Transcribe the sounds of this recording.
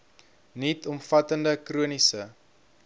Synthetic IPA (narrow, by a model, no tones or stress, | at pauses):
nitɔmfɐtəndəkruənisə